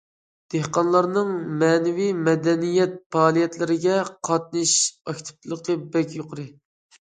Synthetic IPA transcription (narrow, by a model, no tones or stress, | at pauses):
d̪̥ehqɑnlˠɑɾnɨŋmɛːnɪvijmɛd̪ɛnijɛt̪̚pʰɑːlˠijɛt̪lɪɾɪɡʲɛqʰɑt̪̚nɨʃɑkʲt̪ʰɪ̥p̪̚ʰlˠəqʰəbɛkʲjoqəɾɨ